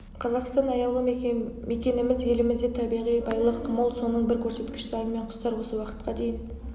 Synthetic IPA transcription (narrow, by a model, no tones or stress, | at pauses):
qʰɑzɑqst̪ɑnɑjɑlˠəme̞kʲe̞nɪmɪzje̞lɪmɪzd̪et̪ʰɑbijʁijbɑjlˠəqʰːəməlˠso̞nəɴbɪɾkʲʰɵɾse̞t̪kʲɪ̥ʃɪlɑɾəme̞ɴqʰʊ̥st̪ɑɾwo̞səwɑqə̥t̪̚qɑd̪e̞jɪn